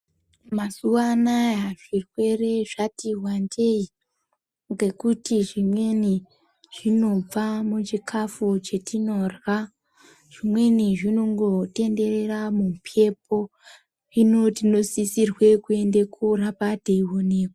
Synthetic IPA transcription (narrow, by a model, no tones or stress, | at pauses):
masuwanajaʐirwe̞re̞ʐatiwandei | ŋɡe̞kutiʐimwe̞ni | ʐ̥ino̞b͡vamut͡ʃikʰafut͡ʃe̞tʰino̞rwa | ʐ̥imwe̞niʐino̞ŋɡo̞te̞nde̞re̞ramupʰe̞po̞ | ino̞tino̞sisirwe̞kue̞ndekurapadʱeiwo̞neːkwo